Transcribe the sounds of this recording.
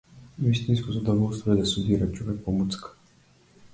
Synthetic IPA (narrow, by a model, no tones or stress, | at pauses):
visʲt̪inskɔzɐd̪ɔvɔlˠst̪vɔɛd̪ɛsud̪iɾat͡ʃɔvɛk̚pɔmut̪sk